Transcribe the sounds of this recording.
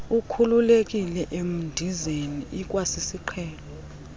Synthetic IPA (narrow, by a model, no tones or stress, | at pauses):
ukʰululek̬ʼilɛʔem̩ndʱizeniʔik̬ʼwasisiǃʰɛːlɔ